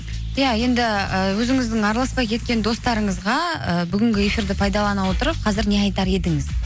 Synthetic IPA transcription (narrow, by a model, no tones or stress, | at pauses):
jɑje̞nd̪ɪəwɵzɪŋɪzd̪ɪŋɑɾlˠɑspɑjkʲʰe̞t̪̚kʲe̞nd̪o̞st̪ɑɾəɴəzʁɑəbʏɡʲɪŋɡʲɪe̞fʲiɾd̪ɪpʰɑjd̪ɑlˠɑnɑwo̞t̪əɾəp̚qʰɑzɪɾne̞ɑjt̪ɑɾe̞d̪ɪŋɪz